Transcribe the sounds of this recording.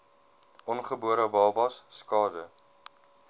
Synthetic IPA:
ʔɔnχəbuəɾəbɑlˠbɐsːkɑːdə

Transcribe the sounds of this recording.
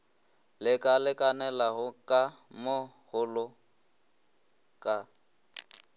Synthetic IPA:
lɪkʼalɪkʼanɛlaɣʊkʼamo | ɣʊlʊ | kʼa

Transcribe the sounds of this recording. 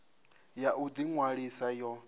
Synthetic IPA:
jaʔud̪iŋwaɺisajɔ

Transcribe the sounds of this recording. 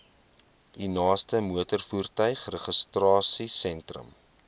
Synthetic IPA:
inɑːstəmuətərfuːrtœɥχrəχəstrɑːsisɛntrə̰m

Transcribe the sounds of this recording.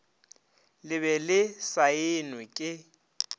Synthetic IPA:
lɪβɛlɪsaɪnwɪkʼɪ

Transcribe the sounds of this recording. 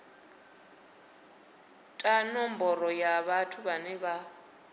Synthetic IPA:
tʼanɔmbɔɾɔjaβatʰuβanɛβa

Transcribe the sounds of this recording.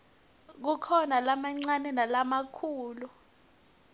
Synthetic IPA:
k̬ukʰɔnalamaŋ͡ǀanɛnalamakʰuːlu

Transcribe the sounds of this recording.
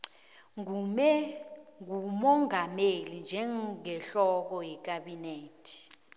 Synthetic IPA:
mɛŋumɔŋamelind͡ʒʱɛɛɬɔk̬ɔjɛk̬aɓineːtʰi̥

